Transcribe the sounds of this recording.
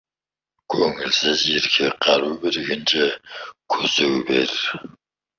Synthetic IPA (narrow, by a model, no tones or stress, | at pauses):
kʲʰɵŋɪlsɪzeɾkʲʰeqʰɑɾuwbeɾɡʲɪnt͡ʃʰekʲʰɵz̥ewbḛɾ